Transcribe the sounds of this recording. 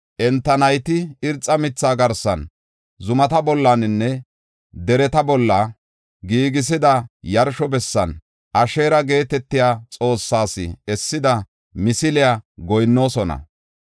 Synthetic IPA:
ʔɛnt̪ːɐnɐjt̪ɪɪɾt͡sʼːɐmɪt͡sːaːɡɐɾsːɐn | zʊmɐt̪ɐbɔlːanɪnːɛ | d̪ɛɾɛt̪ɐbɔlːɐ | ɡiːɡɪs̬ɪd̪ɐjɐɾʃɔbɛsːɐn | ʔɐʃe̞ːɾɐɡe̞ːt̪ɛt̪ːɪjaːt͡sʼo̞ːsːaːsɪ̰ɛsːɪd̪ɐ | mɪsɪlɪjaɡɔjnːo̞ːsɔnɐ̰

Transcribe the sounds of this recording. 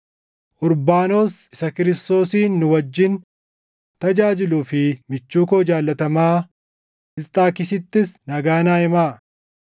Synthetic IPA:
ʔʊɾbaːno̞ːsɪsɐkɪɾɪst̪o̞ːsiːnːʊwɐd͡ʒːɪn | t̪ɐd͡ʒaːd͡ʒɪluːfɪmɪt͡ʃːuːkoːd͡ʒaːlːɐt̪ɐmaː | ɪlt̪ʼaːkɪsɪt̪ːɪsnɐɡaːnaːɪmaː

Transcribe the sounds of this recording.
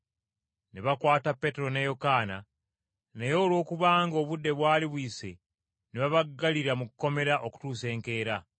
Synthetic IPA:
neβakwaːtapːe̞te̞ɾo̞nejo̞kaːna | nejo̞ːlwo̞ːkuβaːŋɡo̞ːβudːe̞βwaːliβwiːse̞̰ | neβaβaɡːaliɾamukukːo̞me̞ɾaʔo̞ku̥tuːse̞ːŋke̞ːɾa

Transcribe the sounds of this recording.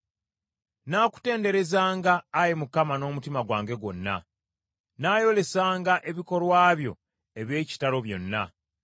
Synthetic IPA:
naːku̥te̞ːnde̞ɾe̞zaːŋɡaːjimukamano̞ːmutimaɡwaːŋɡe̞ɡwo̞nːa̰ | naːjo̞le̞saːŋɡaʔe̞βiko̞lwaːβjo̞̰ | e̞βje̞ːci̥talo̞βjo̞̰nːa

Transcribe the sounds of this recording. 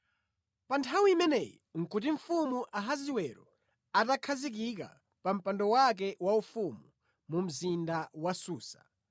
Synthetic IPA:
pantʰawiimɛnɛjḭŋ̩kut̬iɱ̩fumuʔaɦaziwɛɾɔ | atakʰazik̬ik̬a̰ | pam̩pandɔwak̬ɛwaufumu | mum̩zindawasuːsḁ̰

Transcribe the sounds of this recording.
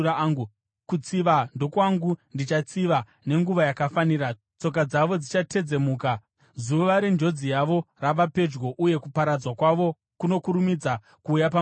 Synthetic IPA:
aŋɡu | kut͡siʋando̞kwaŋɡundit͡ʃat͡siʋa | ne̞ŋɡuʋajakafanira | t͡so̞k̬ad͡zaʋo̞d͡zit͡ʃatʰe̞d͡ze̞muːka | zuʋaɾend͡ʒo̞d͡zijaʋo̞raʋape̞d͡ʒɡo̞ʔuje̞kupaɾad͡zwakwaʋo̞ | kuno̞kuɾumid͡za | kuːjapa

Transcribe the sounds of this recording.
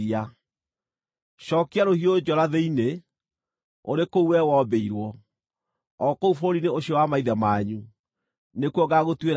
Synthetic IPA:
a | ɕɔːkeaɾohiod͡ʑɔɾaðeine | o̰ɾekouwɛwɔːbeiɾwɔ | ɔkoufoɾineoɕiɔwamaiðɛmaɲu | nekwɔɣaɣotwe

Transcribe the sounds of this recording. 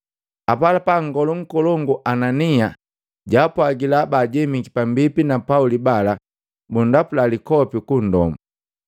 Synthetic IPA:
apalapaŋɡɔluŋ̩kɔlɔŋɡuʔanania | ɟaːpwaɡilabaːɟɛmikipambipinapaulibala | bundapulalikɔpikun̩dɔ̰mu

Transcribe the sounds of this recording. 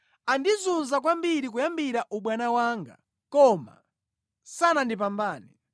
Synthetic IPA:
andizunzak̬wambiɾik̬ujambiɾaʔuɓwanawaːŋɡa̰ | kɔma̰ | sanandip̬ambaːnɛ

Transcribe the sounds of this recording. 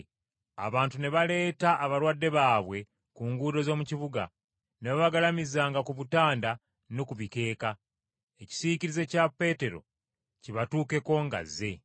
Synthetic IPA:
a̰βaːntune̞βale̞ːtaʔːβaɾwadːe̞βaːβwe̞ | kuːŋɡuːdo̞zo̞ːmuciβuɡa̰ | neβaβaɡalamizaːŋɡakuβutaːnda | nokuβike̞ːka | eci̥siciɾize̞capːe̞ːte̞ɾo̞̰ | ciβatuːke̞ko̞ŋɡa̰zːe̞

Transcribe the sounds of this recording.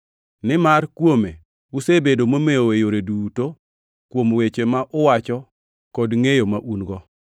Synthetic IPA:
nɪmarkwome | usebedomomejowejoɾeduto | kwomwet͡ʃemaʔʊwat͡ʃɔ | kɔdŋejomaʔunɡɔ

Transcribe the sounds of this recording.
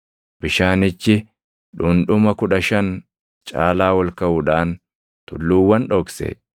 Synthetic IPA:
b̥ɪʃaːnɪt͡ʃːɪ | ᶑʊnᶑʊmɐkʊᶑɐʃɐn | t͡ʃʼa̰ːlaːwɐlkɐʊᶑaːn | t̪ʊlːuːwːɐnᶑɔksɛ̰

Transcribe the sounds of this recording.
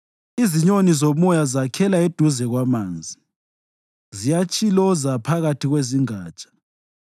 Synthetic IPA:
iziɲonizomɔjazakʰɛlaed̥ʱuzɛɣwamaːnd͡zʱi | zijat͡ʃʼilɔzapʰaɣatʰiɣweziŋaːt͡ʃʼḁ

